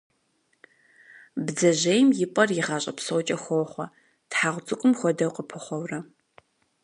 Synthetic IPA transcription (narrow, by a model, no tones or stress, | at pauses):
bd͡zɐʑejmjɪpʼɐrjɪʁɐːɕʼɐ̰psowt͡ʃʼɐxʷɔχʷɐ | tħaːʁʷʊt͡sʼɨkʷʼʊmxʷɔdɐwqəpʰɨχʷɔwrɐ